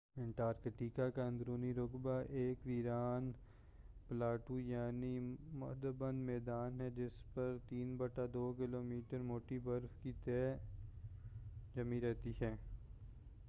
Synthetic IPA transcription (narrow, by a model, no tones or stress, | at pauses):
ɪ̃ɳʈaːɾkəʈiːkakaə̃nd̪ɾuːniɾʊkbaʔeːkʋiːɾaːn | plaːʈujaːnimʊ̰d̪əbənmɛːd̪aːnɦɛd͡ʒɪspɐɾt̪iːnbɐʈad̪oːkɪloːmiːʈəɾmoːʈibɐɾfkit̪ɛː | d͡ʒɐmiɾɛɦt̪iɦɛː